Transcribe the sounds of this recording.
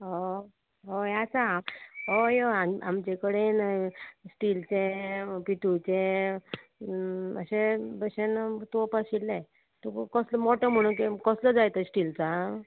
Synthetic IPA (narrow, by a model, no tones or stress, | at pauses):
ɦo | ɦojat͡samɦojoamamt͡ɕekəɽensʈilt͡sẽpiʈ̪ʰut͡ɕe | ə̰ɕebəɕent̪opaɕilːe | t̪ukɔsləmɔʈəm̤əɽ̃unkikɔsləd͡zajt̪əsʈilt͡sa